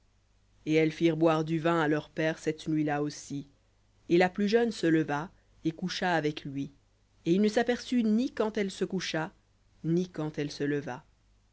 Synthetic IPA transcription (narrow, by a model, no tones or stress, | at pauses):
eɛlfiʁbwaʁd̪yvɛ̃alœʁpɛːʁsɛt̪nɥilaosi | elaplyʒœnsələva | ekuʃaːvɛklɥi | eilnəsapɛʁsynikɑ̃t̪ɛlsəkuʃa | nikɑ̃t̪ɛlsələva